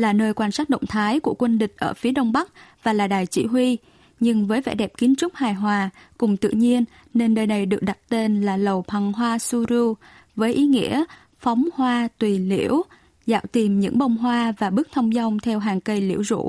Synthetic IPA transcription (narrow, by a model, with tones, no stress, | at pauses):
laː˨˩nəː˧jkwaː˧nsaː˦˥k̚ɗə̰˧˨wŋ͡mt̪ʰaː˨˦jku˧˩əkwə˧nɗï˨˩k̟̚ʔəː˧˩fi˨˦əɗə˧wŋ͡mɓa˦˥k̚vaː˨˩laː˨˩ɗaː˨˩jt͡ɕḭ˧˩ɦi˧ | ɲɨ˧ŋvəː˨˦jvɛ̰˧˥ɗɛ˨˩p̚ki˨˦nt͡ɕʊ˦˥k͡p̚haː˨˩jɦwaː˨˩kʊ˨˩ŋ͡mt̪ɨ̰˧˨ɲi˧ənː | e˧nːəː˧jna˨˩jɗɨ˨˩ək̚ɗa˨˩t̚t̪e˧nlaː˨˩lə˨˩wp̪ʰa˨˧˩ŋɦwaː˧su˧zɨ˧ | vəː˨˦jʔi˨˦ŋḭ˧˥ə | fɔ˨˦wŋ͡mhwaː˧t̪wi˨˩lḭ˧˩˥əw | za̰ː˧˨wt̪i˨˩mɲɨ̰˧˥ŋɓə˧wŋ͡mɦwaː˧vaː˨˩ɓɨ˦˥k̚t̪ʰə˧wŋ͡mza˧wŋ͡mt̪ʰɛ˧wɦaː˨˩ŋkə˧jlḭ˧˩əwzṵ˧˥